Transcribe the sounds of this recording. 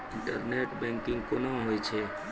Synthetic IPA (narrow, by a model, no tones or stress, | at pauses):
ɪɳʈəɾneʈbɛ̃ŋkɪ̃ŋɡkonaɦojt͡ʃʰe